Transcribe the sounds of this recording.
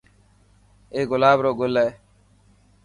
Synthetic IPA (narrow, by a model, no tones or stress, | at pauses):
eːɡʊlaːbɾoːɡʊlːɛ